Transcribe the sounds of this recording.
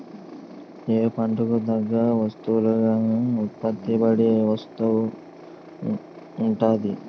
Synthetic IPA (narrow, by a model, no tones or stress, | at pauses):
eːpɐɳʈukud̪ɐɡːaːʋɐst̪uuluɡaːut̪̚pɐt̪ːibɐɽeʋɐst̪ɐʋu | uɳʈaːd̪i